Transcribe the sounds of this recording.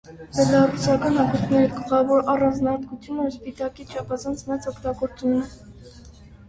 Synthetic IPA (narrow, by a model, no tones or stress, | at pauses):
bɛlɑrusɑkɑnɑkuɾk̪ʰnɛɾiɡəlχɑvɔɾɑrɑnd͡znɑɑɾt̪̚kut͡sʰjunəspit̪ɑkit͡ʃʰɑpʰɑzɑnt͡sʰmɛt͡sɔkt̪ɑɡɔɾt͡sunːɛ